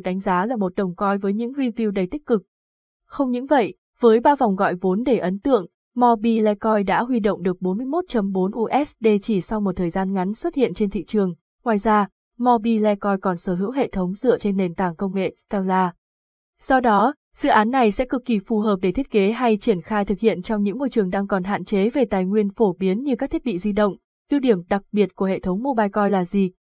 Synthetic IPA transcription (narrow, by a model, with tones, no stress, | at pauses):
k̚ɗa˨˦ŋ̟zaː˨˦laː˨˩mo˨˩t̚ɗə˨˩wŋ͡mkɔ˧jvəː˨˦jɲɨ̰˧˥ŋɾi˧vi˧wɗə˨˩jt̪ï˦˥k̟̚kɨ˨˩k̚ | xə˧wŋ͡mɲɨ̰˧˥ŋvə̰˧˨j | vəː˨˦jɓaː˧va˨˩wŋ͡mɣɔ̰˧˨jvo˨˦nɗe˧˩ʔə˨˦nt̪ɨ̰˧˨əŋ | mɔ˧ɓi˧lɛ˧kɔ˧jɗa̰ː˧˥ɦwi˧ɗo̰˧˨wŋ͡mɗɨ˨˩ək̚ɓo˨˦nmɨ˧əjmo˦˥t̚t͡ɕə˨˦mɓo˨˦nʔu˧ʔɛ˦˥sɗe˧˩t͡ɕi˧˩sa˧wŋ͡mmo˨˩t̚t̪ʰəː˨˩jzaː˧nŋa˨˦ŋ̟swə˦˥t̚hḭ˧˨ənt͡ɕe˧nt̪ʰḭ˧˨t͡ɕɨ˨˩əŋ | ŋwaː˨˩jzaː˧ | mɔ˧ɓi˧lɛ˧kɔ˧jkɔ˨˩nsəː˧˩ɦɨ̰˧˥wɦḛ˧˨t̪ʰə˨˦wŋ͡mzɨ̰˧˨ət͡ɕe˧nːe˨˩nt̪aː˧˩ŋkə˧wŋ͡mŋḛ˧˨t̪ɛ˧wlaː˧ | sɔ˧wɗɔ˨˦ | z̥ɨ̰˧˨ʔaː˨˦nːa˨˩jsɛ̰˧˥kɨ˨˩k̚ːi˨˩fu˨˩ɦəː˨˩p̚ɗe˧˩t̪ʰi˦˥t̚ke˨˦ɦa˧jt͡ɕi˧˩ənxaː˧jt̪ʰɨ˨˩k̚hḭ˧˨ənt͡ɕɔ˧wŋ͡mɲɨ̰˧˥ŋːo˧jt͡ɕɨ˨˩əŋɗaː˧ŋkɔ˨˩nɦa̰ː˧˨nt͡ɕe˨˦ve˨˩t̪aː˨˩jŋwi˧ənfo˧˩ɓi˨˦ənɲɨ˧kaː˦˥k̪̚ʰi˦˥t̚ɓḭ˧˨zi˧ɗə̰˧˨wŋ͡m | t̪i˧wɗi˧˩əmɗa˨˩k̚ɓi˨˩ət̚ku˧˩əɦḛ˧˨t̪ʰə˨˦wŋ͡mmo˧ɓaː˧jkɔ˧jlaː˨˩zi˨˩